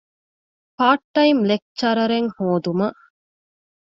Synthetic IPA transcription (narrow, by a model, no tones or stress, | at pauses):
paːʈːɐimlek̚t͡ʃt͡ʃɐɾɐɾeŋhoːd̪umɐ